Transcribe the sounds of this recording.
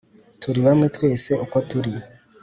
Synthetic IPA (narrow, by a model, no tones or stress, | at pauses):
tuɾiβamŋe̞twe̞ːse̞ukotuɾi